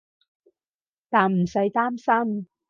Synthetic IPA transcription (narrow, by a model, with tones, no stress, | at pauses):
t̪aː˨nm̩˨˩sɐ˨˥jt̪aː˥msɐ˥m